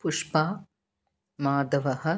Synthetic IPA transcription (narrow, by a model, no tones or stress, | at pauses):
puʂpaː | maːd̪ɐʋɐɦɐ̆